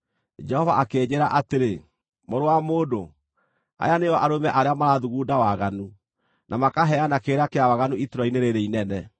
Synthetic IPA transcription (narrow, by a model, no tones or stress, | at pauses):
d͡ʒɛhɔvaʔakeːɲeɾaʔateɾe | moɾowamoːdo | a̰janejɔʔaɾomɛʔaɾeamaɾaðuɣuːdawaɣanu | nʔamakaɦɛanakeːɾakeawaɣanuituɾɔineɾeɾeinɛnɛ